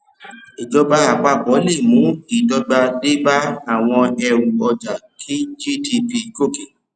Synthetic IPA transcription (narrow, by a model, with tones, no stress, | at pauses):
e˨d͡ʒɔ˧ba˧a˨k͡pa˧˨k͡pɔ˨˦le˦˨mũː˨˦ki˨˦tɔ˧ɡ͡ba˧de˦ba˦a˦˨w̃ɔ̃˧ɛ˧ɾu˨ɔ˧d͡ʒa˨kʰi˦d͡ʒi˦˨ti˧pi˧ko˦˨ke˨